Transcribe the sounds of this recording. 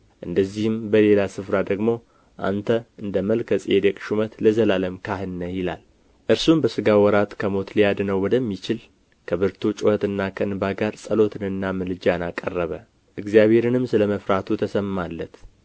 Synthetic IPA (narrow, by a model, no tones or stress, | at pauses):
ʔɨnd̪əzːihɨmbəle̞lasɨfɾad̪əɡmo̞ | ʔa̰nt̪ʰəʔɨnd̪əməlkʰəsʼed̪əkʼʃumət̪ləzəlaləmkʰahɨnːəjɪla̰l | ʔɨɾsumbəsɨɡawɔɾat̪kʰəmo̞t̪lijad̪nəwwɔd̪əmːit͡ʃɪl | kʰəβɨɾt̪ʰut͡ʃʼohət̪ɨnːakʰəɨnbaɡaɾsʼəlo̞t̪ʰɨnɨnːamɨlɨd͡ʒanakʼːərːəβə | ʔɨɡzjaβhe̞ɾɨnɨmsɨləməfɾat̪ʰut̪ʰəsəmːalːət̪